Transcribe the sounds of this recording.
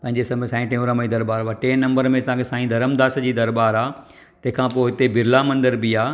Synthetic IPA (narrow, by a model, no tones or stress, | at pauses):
pɐ̃ɦɪ̃ɲd͡ʑesɐmsãːĩʈẽũɾəmd͡ʑiːd̪ɐɾbaːɾʋaʈeːnɐ̃mbəɾmẽɐsãːkʰesãːĩd̪ʱɐɾəmd̪aːsd͡ʑiːd̪ɐɾbaːɾaː | t̪ɐ̃ɦɪ̃kʰãːpoːɦɪt̪ebɪɾlamɐ̃nd̪əɾbiaː